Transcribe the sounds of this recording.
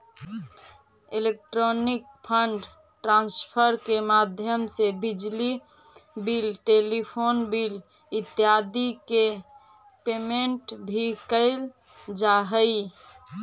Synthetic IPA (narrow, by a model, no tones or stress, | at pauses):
elek̚ʈɾonik̚pʰəɳɖ | ʈɾãnspʰəɾkemad̪ʱjəmsebid͡ʒli | bilʈelipʰonbil | it̪jad̪ike | pemeɳʈbʱikəɪl | d͡ʒaɦəj